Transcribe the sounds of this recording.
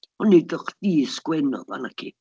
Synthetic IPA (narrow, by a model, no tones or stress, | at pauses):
hɔnidɔχd̥iːsɡ̥wɛnɔ̰a̰nakʰḭ